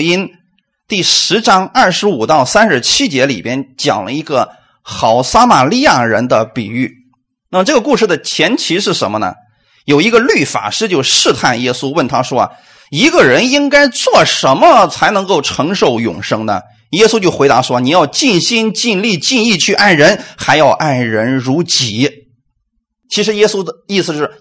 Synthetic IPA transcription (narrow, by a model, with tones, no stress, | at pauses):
i˥n | t̪i˥˩ʂɻ̩˧˥ʈ͡ʂɑ˥ŋɐ˥˩ʂɻ̩˧˥u˨˩t̪ɑ˥˩ʊsa˥nʂɻ̩˧˥t͡ɕʰi˥t͡ɕjɛ˧˥lḭ˨˩pjɛ˥nt͡ɕjɑ̰˨˩ŋlə̰˧i˧˥ɡə˧ | xɑ˧˥˩ʊsa˥ma˨˩li˥˧ja˥˩ɻə̰˧˥nd̪ə˧pi˨˩y˥˩ | na˥˩mə˩ʈ͡ʂɤ˥˩ɡə˩ku˥˧ʂɻ̩˥˩d̪ə˩t͡ɕʰjɛ˧˥nt͡ɕʰi˧˥ʂɻ̩˥˩ʂə˧˥nmə˧nə̰˩ | jo˨˩ʊi˧˥ɡə˧ly˥˩fa̰˨˩ʂɻ̩˥˧t͡ɕjo˥˧ʊʂɻ̩˥˧t̪ʰa˥˩njɛ˥su˥wə˥˩nt̪ʰa˥ʂwɔ̰˥˨ | i˧˥ɡə˧˨ɻə˧˥ni˥ŋka˥ɪt͡swɔ˥˩ʂə˧˥nmə˧t͡sʰa˧˥ɪnɤ˧˥ŋko˥˩ʊʈ͡ʂʰɤ˧˥ŋʂo˧˩ʊjʊ̰˨˩ŋʂɤ˥ŋnə̰˨ | jɛ˥su˥t͡ɕjo˥˩ʊxwe˧˥ɪt̪a̰˧˥ʂwɔ˥ni˨˩jɑ˥˧ʊt͡ɕi˥˩nɕi˥nt͡ɕi˥˧nli˥˧t͡ɕi˥˧ni˥˧t͡ɕʰy˥˧ʔa˥˩nɻə˧˥nxa˧˥ɪjɑ˥˧ʊʔa˥˩nɻə˧˥nɻu˧˥t͡ɕi˨˩˦ | t͡ɕʰi˧˥ʂɻ̩˧˥jɛ˥su˥ə˧i˥˩sɹ̩˧˩ʂɻ̩˥˩